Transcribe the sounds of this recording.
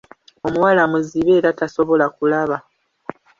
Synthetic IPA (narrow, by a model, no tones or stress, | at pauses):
o̞muwalamuziβe̞ːɾataso̞βo̞lakulaβa